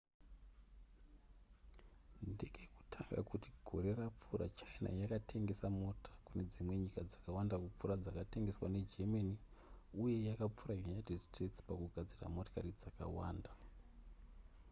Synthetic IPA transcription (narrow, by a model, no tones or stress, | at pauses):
ndekeku̥tʰaŋɡa̰kutiɡʱo̞̰ɾe̞rap͡fura̰t͡ʃaina̰jakatʰe̞ŋɡe̞samo̞tʰḁkune̞d͡zimwe̞ɲikad͡zakawandakup͡furad͡zakate̞ŋɡe̞swane̞d͡ʒemani | uje̞jakap͡fuɾajunatedstretspakuɡʱad͡zira̰mo̞to̥karid͡zaka̰waːnda